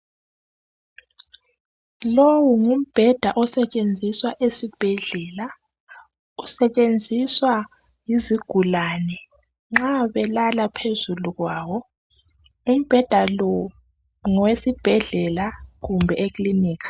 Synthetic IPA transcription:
lowuŋum̩b̥ʱɛd̥ʱaʔɔsɛt͡ʃʼend͡zʱiswaʔesib̥ʱɛɮɛːla | usɛt͡ʃʼend͡zʱiswa | jiziɡ̥ʱulaːnɛ | ŋ͡ǁaβɛlalapʰezuluɣwaːwɔ | um̩b̥ʱɛd̥ʱalɔ | ŋɔwesib̥ʱɛɮɛlaɣumbʱɛʔekʼliniːkḁ

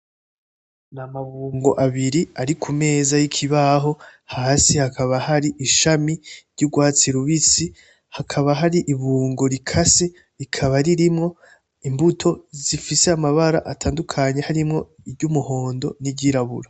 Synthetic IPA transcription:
namaβuːŋɡo̞̰ʔaβiɾiaɾikʰume̞ːzajikʰiβaɦo̞haːsihakaβahaɾiʔiʃamiɾɟuɡwaːt͡siɾuβit͡si | hakʰaβaɦaɾiʔiβuːŋɡo̞ɾikʰase | ɾikʰaβaɾiɾimŋo̞ | imbutʰo̞z̥ifiseamaβaɾa̰ʔatʰaːndukʰaɲe̞haɾimŋo̞ | iɾɟumuho̞ːndo̞̰niɟiɾaβuɾa

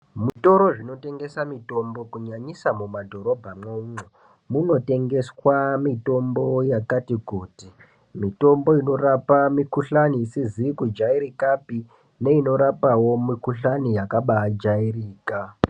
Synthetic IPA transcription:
muto̞ɾo̞ʐino̞te̞ŋɡe̞samito̞mbo̞kuɲaɲisamumadʱo̞ɾo̞bʱamwauno | muno̞te̞ŋɡe̞swamito̞mbo̞jakatikuːti | mito̞mbo̞ino̞rapamikuɬaniːsizikud͡ʒaiɾikapi | ne̞ino̞ɾapawo̞mikuɬanijakaɓaːd͡ʒairiːka

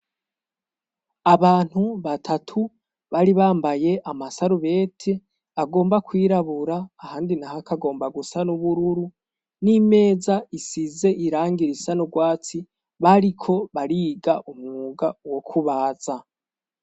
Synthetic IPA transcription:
aβaːn̥huβatʰatʰu | βaɾiβaːmbaje̞ʔamasaɾuβe̞ːtʰe | aɡo̞ːmbakwiːɾaβuɾaːhaːndinahakaɡo̞ːmbaɡusanuβuɾuɾu | nime̞ːzaisize̞ʔiɾaːŋɡiɾisanoɡwaːt͡si | βaɾikʰo̞βaɾiːɡaʔumŋuɡawo̞kʰuβaːza

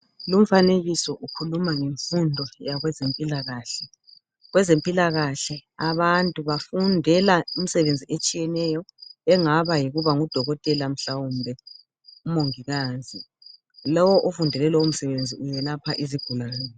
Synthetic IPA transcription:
lum̩faneɣisɔʔukʰulumaŋeɱfundʱɔjaɣwɛzempʼilaɣaːɬɛ | ɣwɛzempʼilaɣaɬɛaβantʼuβafundʱɛlaum̩sɛβend͡zʱiʔet͡ʃʼijɛnɛjɔɛŋaβajiɣuβaŋud̥ʱɔɣɔtʼɛlam̩ɬawumbʱɛ | umoŋiɣaːzi | lɔwɔʔofundʱɛlɛlɛum̩sɛβend͡zʱiʔujɛlapʰaʔiziɡ̥ʱulaːnɛ

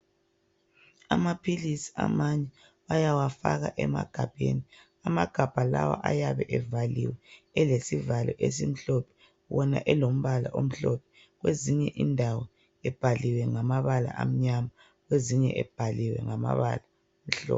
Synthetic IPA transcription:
amapʰilisi̥a̰maɲɛ | wajawafaɣaʔɛma̰ɡ̥ʱab̥ʱeni | amaɡ̥ʱab̥ʱala̰wa̰ʔajaβɛʔɛvaliwɛɛlesivalʔɔʔes̬im̩ɬɔpʰɛ̥ | wɔnaʔɛlom̩βalaʔom̩ɬɔpʰɛ | ɣweziɲɛʔindʱawɔ | ɛb̥ʱaliwɛŋamaβala̰ʔam̩ɲama | ɣweziɲɛʔɛb̥ʱaliwɛ̰ŋama̰βa̰la | m̩ɬɔ̰ːp

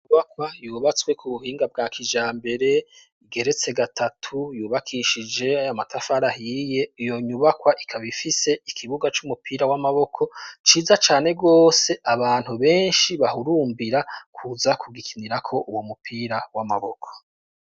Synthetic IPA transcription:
ɲɲuβakwajuːβat͡swe̞kʰuβuhiːŋɡab̚ɡaːkʰid͡ʒaːmbe̞ɾe̞ | iɡe̞ɾe̞t͡se̞ɡatʰatʰujuːβakʰiʃid͡ʒe̞ajamatʰafaɾahije̞ijo̞ɲuβakwaʔikʰaβifise̞ikʰiβuɡat͡ʃumupiːɾawamaβo̞kʰo̞t͡ʃiːzat͡ʃaːne̞ɡo̞ːse̞ʔaβaːn̥huβe̞ːnʃiβahuɾuːmbiɾakʰuːzakʰuɡikʰiniɾakʰo̞ʔuwomupʰiːɾawama̰βo̞kʰo̥

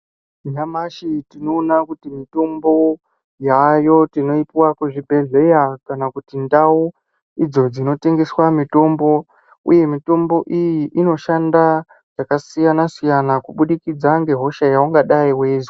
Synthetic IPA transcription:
ɲamaʃitino̞ːnakutimito̞mbo̞ | jajo̞tino̞ipiwakwuʐibʱe̞ɮe̞jakanakutindawu | id͡zo̞d͡zino̞te̞ŋɡe̞swamito̞mbo̞ | ṵje̞mito̞mbo̞ʔijiʔino̞ʃanda | jakasijanasijanakuɓuɗikid͡zaŋɡe̞ɦo̞ʃajauŋɡaɗaiweːzwa

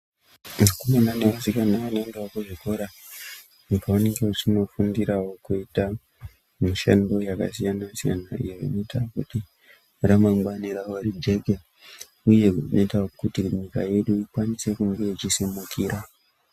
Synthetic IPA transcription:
ʐukumananeʋasikanaʋanindewakuʐiko̞ɾa | pawaneŋɡeut͡ʃino̞fundiɾawo̞kuita | miʃa̰ndo̞jaka̰sijanasija̰naṵjeʐḭnoitakuti | ramaŋɡaniɾawarid͡ʒe̞ɡʱe | uje̞uno̞̰itakutiɲika̰je̞ɗuikwanise̞kuŋɡeit͡ʃisemukiɾa

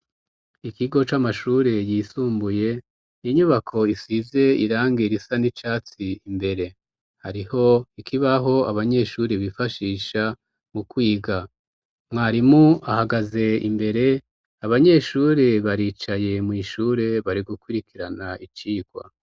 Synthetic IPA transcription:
ikiɡo̞t͡ʃamaʃuːɾe̞jisuːmbuje̞ | niɲuβakʰo̞isize̞iɾaːŋɡeɾisanit͡ʃaːt͡siimbe̞ɾe̞ | haɾiho̞ikʰiβaɦo̞aβaɲe̞ʃuːɾeβifaʃiːʃa | mukwiːɡa | mŋaːɾimuahaɡaze̞ḭmbe̞ɾe̞ | aβaɲe̞ʃuːɾe̞βaɾiːt͡ʃaje̞mŋiːʃuːɾe̞βaɾiɡukwiɾikiɾanait͡ʃiːɡ̥wa̰

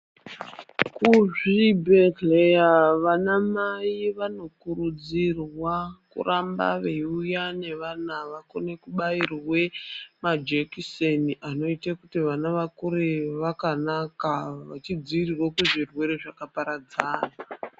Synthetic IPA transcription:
kuʐibʱetlejaʋanamaiʋano̞kuɾud͡zirwakṵramba̰ʋe̞ujane̞ʋanaʋako̞ne̞kuɓairwe̞mad͡ʒekiseniʔano̞itakutiʋanaʋakuɾeʋakanakaʋat͡ʃid͡ziʋirirwakeʐirwe̞ɾeʐakapaɾad͡zaːna

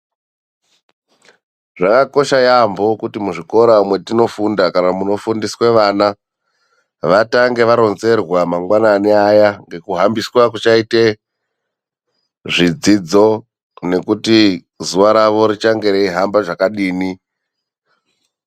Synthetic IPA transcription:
ʐakako̞ʃajambo̞kutimuʐiko̞ɾamwe̞tino̞fundakanamuno̞fundisweʋana | ʋataŋɡe̞ʋaɾo̞nze̞rwamaŋɡwananiajaŋɡe̞kuɦambiswak̬ut͡ʃaite | ʐid͡zid͡zo̞ | ne̞kuti | zuʋaɾaʋo̞ɾit͡ʃaŋɡe̞ɾeiɦambaʐakaɗiːni

